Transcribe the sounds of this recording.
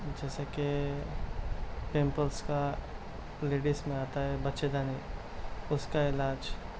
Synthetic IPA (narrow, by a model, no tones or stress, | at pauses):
d͡ʒɛːseke | pẽːmpəlska | leːɖɪsmẽaːt̪aɦɛbɐtːʃed̪ani | ʊskaɪlaːd͡ʒ